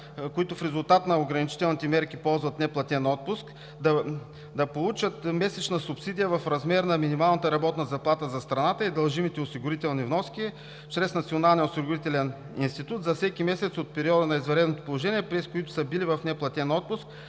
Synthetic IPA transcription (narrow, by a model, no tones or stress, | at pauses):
kʊit̪ʊfɾɛzʊlˠt̪at̪nɐoɡɾɐnit͡ʃi̥t̪ɛlˠnit̪ɛmɛɾkipɔlˠzvɐt̪nɛplˠɐt̪ʲɛnɔt̪̚pʊsk | d̪ɐ | d̪ɐpolˠut͡ʃət̪mɛsɛt͡ʃnəsʊpsid̪ijəvɐfɾɐzmɛɾnɐminimalˠnət̪əɾɐbɔt̪nɐzɐplˠat̪əzɐst̪ɾɐnat̪əid̪ɐlˠʒimit̪ɛʊsiɡʊɾit̪ɛlˠnivnɔskʲi | t͡ʃɾɛsnɐt̪sionalˠnijosiɡʊɾit̪ɛlɛn | ḭnst̪it̪ut̪zɐfsɛkimɛsɛt̪sot̪̚pɛɾiɔd̪ənɐizvɛɾɛd̪not̪opolˠoʒɛniɛpɾɛskʊit̪ʊ̥səbilivɐfnɛplˠɐt̪ʲɛnɔt̪̚pʊsk̚